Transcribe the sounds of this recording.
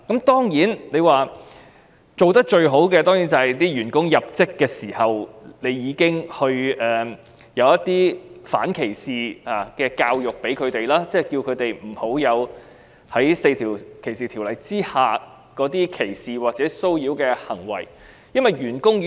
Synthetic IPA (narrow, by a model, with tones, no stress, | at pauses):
kɐ˨˥mt̪ɔː˥ŋjiː˨˥nne˨˧jwaː˨ | t͡so˨wt̪ɐ˥k̚t͡ʃɵ˧ɥɦo˨˥wkɛː˧t̪ɔː˥ŋji˨˥nt͡sɐ˨˩hɐ˨˩jt̪iː˥ɥyː˨˩nkʊ˥ŋjɐ˨p̚t͡sɪ˥kːɛː˧siː˨˩hɐ˨wne˨˧jjiː˨˧kɪ˥ŋhɵ˧ɥɛː˨ | jɐ˨˧wjɐ˥t̪ːiː˥fa̰ː˨˥nkʰe˨˩jsiː˨aː˨˩kɛː˧kaː˧wjʊ˨k̚pe˨˥jkʰɵ˨˧ɥt̪e˨jlaː˥t͡sɛː˥˩kiː˧wkʰɵ˨˧t̪e˨jm̩˨˩ho˨˥wjɐ˨˧w | hɐ˨˥jse˧jt̪ʰiː˨˩wkʰe˨˩jsiː˨t̪ʰi˨˩wlɐ˨˩jt͡siː˥haː˨ | kɔː˨˥t̪iː˥kʰe˨˩jsiː˨waː˨k̚t͡sɛː˨˦˥so˥wjiː˨˧˥wkɛː˧hɐ˨˩ŋwɐ̰˨˩j | jɐ˥nwɐ˨jɥyː˨˩nkʊ˥ŋ